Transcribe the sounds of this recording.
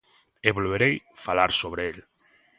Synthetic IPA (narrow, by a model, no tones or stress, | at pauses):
eβolβeɾejfalaɾsoβ̞ɾeel